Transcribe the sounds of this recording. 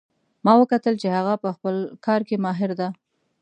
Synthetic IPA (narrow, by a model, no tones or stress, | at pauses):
mɑwəkat̪əlt͡ʃehaɣapəxpəlkʰɑɾkemɑɦɪɾd̪a